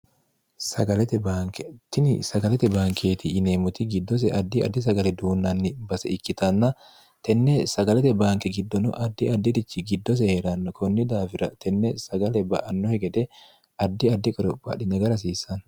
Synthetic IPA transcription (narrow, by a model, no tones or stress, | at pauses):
sɐɡɐlɛt̪ɛbaːŋkɛt̪ɪnɪ̰sɐɡɐlɛt̪ɛbaːŋkʰeːt̪ɪːneːmʊt̪ɪɡɪd̪ːɔs̬ɛʔɐd̪ːɪɐ̰d̪ːɪs̬ɐɡɐlɛd̪uːnːɐnːɪbɐsɛɪkːɪt̪ɐnːɐ | t̪ɛnːɛsɐɡɐlɛt̪ɛbaːŋkɛɡɪd̪ːɔnʊ̰ʔɐd̪ːɪɐd̪ːɪd̪ɪt͡ʃːɪɡɪd̪ːɔs̬ɛheɾɐnːɐkɔnːɪd̪aːfɪɾɐt̪ʰɛnːɛsɐɡɐlɛbɐ̰ʔɐnːɔhɛɡɛd̪ɛ | ɐd̪ːɪɐd̪ːɪkʼɔɾɔpʼːɐ̰ᶑɪnɛɡɐɾɐs̬iːsɐn